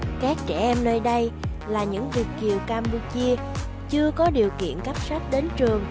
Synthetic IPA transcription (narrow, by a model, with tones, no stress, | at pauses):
kaː˦˥k̚t͡ɕɛ˧˩ʔɛ˧mnəː˧jɗə˧j | laː˨˩ɲɨ̰˧˥ŋvi˨˩ək̚t͡ɕi˨˩əwkaː˧mpu˧t͡ɕi˧ə | t͡ɕɨ˧əkɔ˨˦ɗi˨˩əwkḭ˧˨ənka˦˥p̚sa˦˥t̚ɗe˨˦nt͡ɕɨ˨˩əŋ